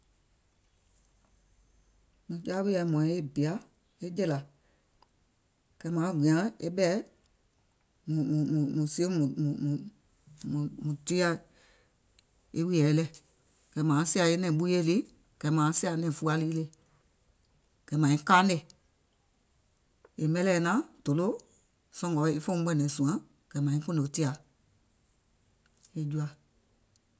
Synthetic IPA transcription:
mũ˨ka˦wi˦ɛ˧˨˦mɔ̃˨ĩ˧˦e˦bi˨a˨˦ | e˦d͡ʒɛ˦˨la˨ | ɡ̥ɛ˨˦mãː˨˦˨ɡĩ˨ã˨˦e˦ɓɛ˦˨˦ | mũ˨mũ˨mũ˨mũ˨si˦o˦mũ˨mũ˨ũ˨ | mũ˨mũ˨ti˦a˦ | e˦wi˦ɛː˨˦lɛ˦˨ | ɡ̥ɛ˨˦mãː˨˦si˦a˧˨e˦nɛ̃˨ɓu˦je˦˨li˦ | ɡ̥ɛ˨˦mãː˨˦si˦a˨˦nɛ̃˨fu˦˧˦a˧liː˦le˧ | ɡ̥ɛ˨˦mã˨ĩ˦kaː˦nɛ̃˦˨ | e˨mɛ̃˦˧lɛː˨nã˦d̥o˨lo˦ | sɔ̃˧ŋɡɔ˨˦e˦fɔ̃˦ɓɛ˦˨nɛ̃˨sũ˨ã˦ | ɡ̥ɛ˨˦mã˨ĩ˦kũ˦ndo˨˦ti˦a˨ | e˧˦d͡ʒu˧a˨

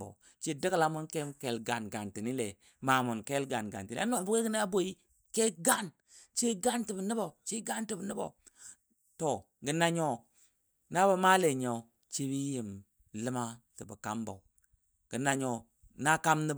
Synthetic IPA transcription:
bo̰˨ | t͡ʃi˦di˦kla˦mu˦nke˦mke˦lɡa˨nɡa˨nti˨ni˦le˨ | ma˨mu˨nke˦lɡa˨nɡa̰˨ti˨l̰no˦˨bu˦ke˦ɡi˦n˦a˦bo˦i˦ | ke˦ɡa˦n | t͡ʃi˦ɡa˦nti˨bə˨ni˦bo˨t͡ʃi˦ɡa˦nti˨bni˦bo̰˨ | to˨ | ɡə˨na˦ɲo˦ | na˦ba˦ma˦le˨ɲo˨ | t͡ʃi˦bi˦ji˨m | lə˦ma˦ti˨bə˨ka˦mbo̰˨ | ɡ̥ə˨na˦ɲo˦ | na˦ka˦mni˦b

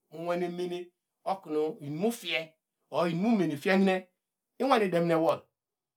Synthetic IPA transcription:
wʷe˨ne˨me˦ne˦ | o˦ku˨no˨i˨n˨mu˦fi˦e˦ | o˨i˨n˨mu˦me˨ne˨fi˦e˦i˦ne˦ | i˦wʷa˦ne˨de˨m˦ne˨˦wo˨l

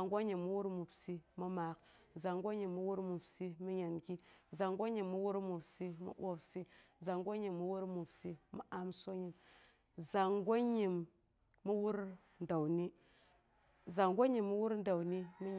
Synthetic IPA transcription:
ŋɡʷo˦ɲi˨mːu˦wu˦ɾmu˨bsi˦mu˦ma˨k | za˨ŋɡo˦ɲi˨mːu˦wu˦ɾmu˨bsi˦mi˦ɲa˨nɡi˦za˨ŋɡʷo˦ɲi˨mːu˦wu˦ɾmu˨bsi˦mṵ˦o˦bsi˦za˨ŋɡo˦ɲi˨mːu˦wu˦ɾmu˨bsi˦mi˨ʔa˨mso˦ɲi˨m | za˨ŋɡʷo˦ɲi˨mː | u˦wu˦ɾ | n˨da˨wni˦ | za˨ŋɡʷo˦ɲi˨mːu˦wu˦ɾn˦da˨wni˦mi˦ɲ

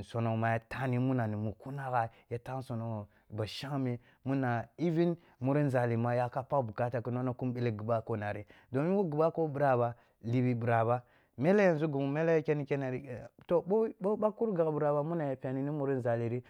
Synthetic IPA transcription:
so˨no˨ma˨ja˨ta˦ni˦mu˦na˨ni˨mu˨ku˦na˦ɣa˨ja˨˦ta˦so˨no˨ | ba˨ʃa˦ŋ˦mi˦ | mu˦na˨i˦vi˦n | mu˦ɾi˦n˨za˨li˨ma˨ja˦ka˦pa˦bu˨ka˦ta˨kə˨no˦na˦ku˦mbe˦le˦ɡi˨ba˦ko˦na˨ɾi˦ | do˨mi˦wu˦ɡi˨ba˦ko˦bu˨ɾa˨ba˨ | li˨bi˨bu˨ɾa˨ba˦ | me˦le˦ja˨n˨zu˦ɡu˨mu˨me˦le˦ke˦ni˦ke˦ne˨ɾi˨to˨bo˦bo˦ba˦ku˦ɾɡa˨ɡbu˨ɾa˨ba˦mu˦na˨ja˨pʲa˨ni˨ni˦mu˦ɾi˦nza˨li˨ɾi˦

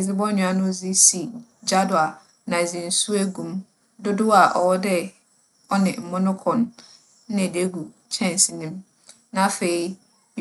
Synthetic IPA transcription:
zɪ˦bɔ˦ɲʊ̃˨a˨˦nʊ̃˦˨zi˦si˨d͡ʑa˦dʊ˨a˨ | nã˨zĩ˨n̩˨su˦æ˦ɡũ˨m | dʊ˦dʊ˦a˨ʔɔ˨wɔ˦dɛ˦ | ɔ˦nɪ̃˨m̩˨mʊ̃˦nʊ̃˦kʰɔ̃˨ñ̩˦˨ | de˦ɡu˨ | t͡ɕʰɛ̃˦˨n˨si˨nĩ˦m | nã˨fe˨i˦

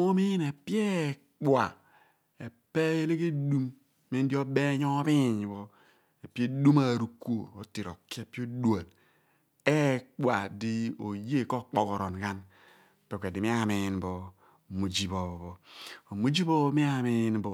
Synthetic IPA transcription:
o˦mi˦ne˨pje˦ | k͡pwa˨ | e˨pe˦e˦le˦ke˦du˦m | me˦n˦di˦o˦be˦ɲo˦bi˦˨ɲ˨bo˨ | e˨pi˦e˦du˦ma˨ɾu˨ko˨o˨ti˨ɾo˨ke˨pi˦o˦da˨l | e˦k͡pwa˨di˦o˨je˦˨ko˦k͡po˨ko˨ɾo˨n˨ka˦n˨ | pe˨kʷe˨di˨mi˦a˦˨mi˨nbo˨ | mu˨d͡ʒi˨βo˨βo˨βo˨o˨mu˦d͡ʒi˦bo˦mi˦a˦˨mi˦nbo˨

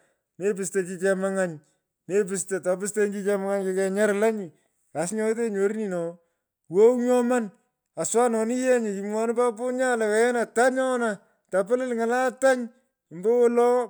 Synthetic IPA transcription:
ne˦pɪ˨ste˨t͡ʃi˦t͡ʃɛ˧ma˦ŋa˦ɲ | ne˦p̬ɪ˨ste˨ta˨pɪ˦s̬te˦nki˦t͡ʃɛ˦ma˦ŋa˦ɲke˦kɛ˨ɲa˦ɾla˦ɲi˨ | a˨sɲɔ˦t̬e˦ɲo˨ɾni˨nɔ˨ | wo˦wɲɔ˦ma˦n | a˨swa˦nɔ˨ni˦jɛ˦ɲɪ˨ki˨mwɔ˨nɪ˦pa˦pʊ˦ɲa˦la˨wɛ˨ɛ˦na˨ta˦ɲɔ˦na˨ | ta˨pɪ˦lɪ˦lŋa˨la˦ta˦ɲ˨ | mbo˦wɔ˦lɔ˦

